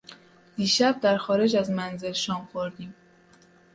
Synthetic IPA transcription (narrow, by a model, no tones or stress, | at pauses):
d̪̥iːʃæb̚d̪æɾxɒːɾed͡ʒæzmænze̞lʃɒːmxo̞ɾd̪iːm